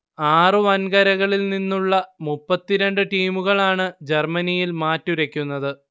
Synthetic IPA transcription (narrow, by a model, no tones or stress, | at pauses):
aːrɨʋɐnkɐɾɐɣɐɭilninːuɭːɐmupːɐt̪ːiɾeɳɖɨʈiːmuɣɐɭaːɳɨd͡ʑe̞rmɐnijilmaːtːuɾɐkʲːunːɐðɨ